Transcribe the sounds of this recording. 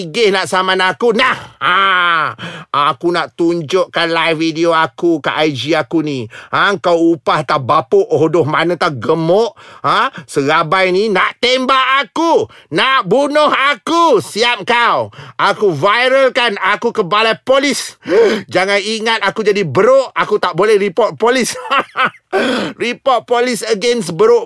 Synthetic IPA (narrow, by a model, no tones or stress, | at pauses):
iɡɪhnaʔsamanakunaha | akunaʔt̪uɲd͡ʒʊʔkanlajfidioakukaʔajd͡ʒiakuniaŋkawupaht̪abapoʔoɦdʊhmanət̪aɡəmɔʔasəɣabajninaʔt̪embaʔakunaʔbunʊhakusiap̚kawʔakuvajɾəlkanakukəbalapolisd͡ʒaŋaniŋat̪̚akud͡ʒadibəɾoʔakut̪aʔbolɛhripɔrt̪̚polis | ripɔt̪̚polisəɡɛnsbəɾʊʔ